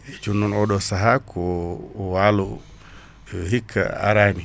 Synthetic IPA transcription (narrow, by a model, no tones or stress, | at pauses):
ed͡ʒunːunoɗosaɦakʰowalu | ɦikʰːa̰a̰ɾani